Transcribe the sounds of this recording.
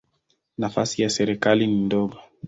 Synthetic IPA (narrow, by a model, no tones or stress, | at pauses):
nafasijasɛɾɛkalinindɔɡɔ